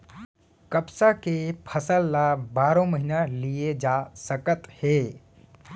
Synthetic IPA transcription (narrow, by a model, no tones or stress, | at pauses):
kəpsakepʰəsəlːabaːɾõməɦinalied͡ʒasəkət̪he